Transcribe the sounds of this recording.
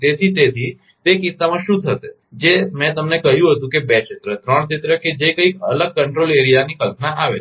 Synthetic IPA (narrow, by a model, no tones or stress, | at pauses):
t̪et̪ʰit̪et̪ʰi | t̪ekɪsːamãʃũd̪ʱʰəse | d͡ʒemɛ̃t̪əmnekəɦjũɦət̪ũkebɛt͡ʃɪt̪ɾət̪ɾəɳ̃t͡ʃɪt̪ɾəked͡ʒekəikʰə̰ləɡ̚kəɳʈɾoleɾijanikəlpnaʔaʋe